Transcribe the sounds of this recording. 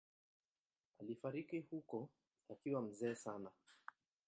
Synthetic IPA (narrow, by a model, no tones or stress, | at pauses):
alifaɾikihukɔ | akiwam̩zɛːsana